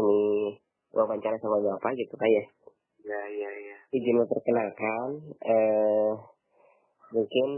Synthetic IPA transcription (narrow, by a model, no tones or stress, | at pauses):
əni | wʔabaɲt͡ʃaɾasamaɲaapaɡit̪ukaja | jaijajaid͡ʒɪnapərkənalkanə | muŋkɪn